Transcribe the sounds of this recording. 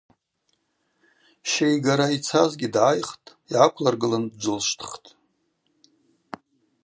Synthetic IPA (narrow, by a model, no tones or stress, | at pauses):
ʃejɡaɾait͡sʰazɡʲidʕajχtʼ | iʕakʷʰlarɡɨlandd͡ʒʷʊlʃtʰχtʼ